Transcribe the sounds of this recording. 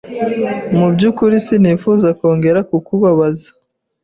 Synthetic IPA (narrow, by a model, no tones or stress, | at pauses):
mubɟukuɾisinifuzako̞ːŋɡe̞ɾakukuβaβazḁ